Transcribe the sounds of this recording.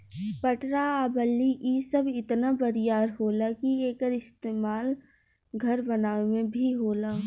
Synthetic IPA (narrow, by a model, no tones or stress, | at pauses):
pɐʈɾaaːbəlːiʔiːsɐbɪt̪nabəɾɪjaːɾɦoːlakieːkəɾɪst̪eːmaːl | ɡʱɐɾbɐnaːemẽbʱiɦoːlaː